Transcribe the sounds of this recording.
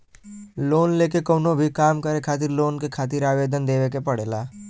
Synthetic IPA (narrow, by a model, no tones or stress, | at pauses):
loːnleːkekoːʊnobʱikaːmkəɾekʰaːt̪̬ɪɾloːnkekʰaːt̪̬ɪɾaːʋeːd̪ʱənd̪eːʋekepəɽ̤eːlaː